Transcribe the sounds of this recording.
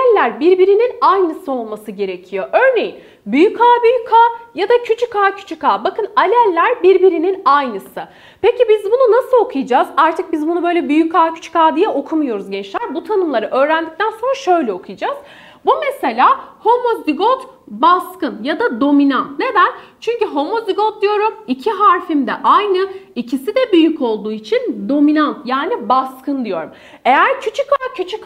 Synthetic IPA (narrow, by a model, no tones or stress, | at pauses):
lʲːæɾbiɾbiɾininajnɯsɯo̞lˠmasɯɟe̞ɾe̞cʰijo̞ʔø̞ɾne̞jin | byjykʰaːbyjykʰaːjad̪acʰyt͡ʃʰykaːcʰy̥t͡ʃʰykaːbakɯnalʲælʲːæɾbiɾbiɾininajnɯsɯ | pecibizbununasɯo̞kʰujad͡ʒazaɾt̪ʰɯk̚bizbunubøjlʲɛbyjykʰaːcʰy̥t͡ʃʰy̥kaːd̪ijɛʔo̞kʰumujo̞ɾuzɟɛnt͡ʃlʲæɾbut̪ʰanɯmlˠaɾɯʔø̞ːɾænd̪ic̚t̪ʰænso̞nɾaʃø̞jlʲɛo̞kʰujad͡ʒaz̥ | bumese̞lʲaːho̞moziɡot̪ | baskɯnjad̪ad̪o̞minant̪ne̞d̪ænʲt͡ʃʰyɲcyɦo̞moziɡot̪̚d̪ijo̞ɾumicʰiɦaɾfimd̪ɛʔajnɯicʰisid̪ɛbyjyco̞lˠd̪uːit͡ʃʰind̪o̞minant̪jaːnibaskʰɯnd̪ijo̞ɾum | e̞jæɾcʰyt͡ʃʰykacʰyt͡ʃʰyk